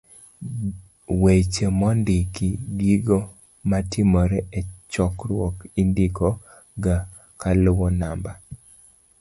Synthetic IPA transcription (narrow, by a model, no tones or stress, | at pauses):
wet͡ʃemɔndɪkidiɡo | matɪmɔɾɛɛt͡ʃɔkɾwɔkindikɔ | ɡa | kalʊwɔnamba